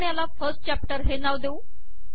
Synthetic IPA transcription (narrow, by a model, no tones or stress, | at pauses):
ɳjalafəɾsʈ̚t͡ɕæp̚ʈəɾɦenaʋd̪eu